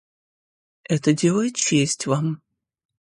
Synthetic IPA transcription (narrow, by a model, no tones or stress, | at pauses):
ɛt̪ədʲelˠəjɪt̪̚t͡ʃesʲtʲvam